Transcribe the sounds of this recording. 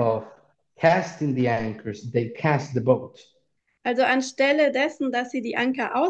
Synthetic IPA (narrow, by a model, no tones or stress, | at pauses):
ɔv | kʰæstɪ̃ŋðiæ̃ŋkʰə˞zðeɪkʰæst̪̚ðəboʊt | ʔalzoʔanʃtɛlədɛsn̩dasz̥iːdiːʔaŋkɐʔaʊ